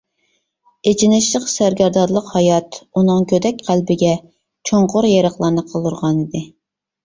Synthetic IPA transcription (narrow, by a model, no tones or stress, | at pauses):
et͡ʃʰinɪʃlˠəqsæɾɡʲæɾd̪ɑɾlˠəqhɑjɑt̪unɨŋkʲʰød̪ɛk̚ʲqʰælbɪɡʲɛ | t͡ʃʰoɴqʊɾjeɾəχlˠɑɾnɨqʰəlˠuɾʁɑnid̪ɪ